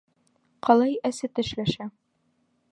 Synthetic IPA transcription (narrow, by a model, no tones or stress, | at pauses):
qɒlˠɑjæsɘt̪ɘ̆ʃlæʃæ